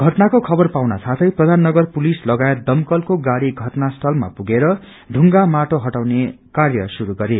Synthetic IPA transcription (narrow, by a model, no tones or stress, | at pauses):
ɡʱʌʈnakokʰʌbʌrpawna̰sat̪ʰʌjprʌd̪ʱanːʌɡʌrpulislʌɡajet̪̚d̪ʌmkʌlkoɡaɽiɡʱʌʈnast̪ʰʌlma̰puɡeɾʌ | ɖʱuŋɡamaʈoɦʌʈawne | karjʌsuɾuɡʌɾe